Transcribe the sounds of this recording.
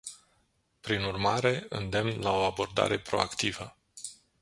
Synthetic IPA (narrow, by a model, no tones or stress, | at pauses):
pɾinurmaɾe̞ɨ̰nd̪e̞mnlao̞abo̞rd̪a̰ɾe̞pɾo̞̰a̰kt̪ivə